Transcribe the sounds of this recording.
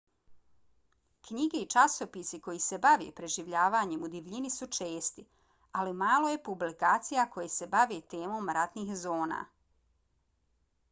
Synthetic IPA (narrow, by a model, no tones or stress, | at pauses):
kɲiɡe̞it͡ʃasopisiko̞jise̞baʋḛːpɾe̞ʒiʋʎaːʋaːɲe̞mud̪iʋʎinisut͡ʃeːst̪i | alimaːlˠo̞je̞publikaːt̪sijako̞jese̞baʋet̪e̞ːmo̞ːmɾat̪niːxzo̞ːna̰ː